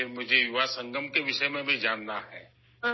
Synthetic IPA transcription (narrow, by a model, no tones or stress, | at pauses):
mʊd͡ʒʱejuʋasə̃ŋɡʱəmkeʋɪʃəjmẽbʱid͡ʒaːnd̪aɦɛː